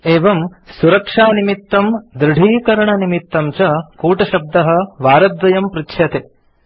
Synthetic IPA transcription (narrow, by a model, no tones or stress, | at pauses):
eːʋɐmsuɾɐkʂaːnimit̪ːɐmd̪ɾɪɽʱiːkɐɾɐɳɐnimit̪ːɐmt͡ʃɐkuːʈɐʃɐb̚d̪ɐɦɐ̆ʋaːɾɐd̪ʋɐjɐmpɾitʃʰjɐt̪e